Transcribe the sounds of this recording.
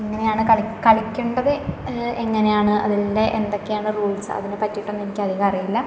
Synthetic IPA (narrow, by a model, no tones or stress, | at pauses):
eŋːɐne̞jaːɳɨkɐɭkɐɭikʲːuɳɖɐðɨeŋːɐne̞jaːɳɨʔɐ̰ðilːeʔend̪o̞kːe̞jaːɳɨruːɭsɨɐ̰ðinepɐtːiʈːo̞nːinikʲːɐðiɣɐɐrijilːɐ